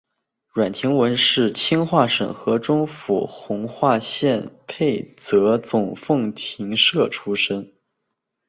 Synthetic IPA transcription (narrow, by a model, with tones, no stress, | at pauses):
ɻwa˨˩nt̪ʰi˧˥ŋwə˧˥nʂɻ̩˥˩t͡ɕʰi˥nxwa˥˩ʂə̰˨˩ŋxɤ˧˥ʈ͡ʂʊ˥ŋfu˨˩xʊ˧˥ŋxwa˥˧ɕjɛ˥˧npʰe˥˩ɪt͡sɤ˧˥t͡sʊ˨˩ŋfɤ˥˩ŋt̪ʰi˧˥ŋʂɤ˥˩ʈ͡ʂʰu˥ʂə˥n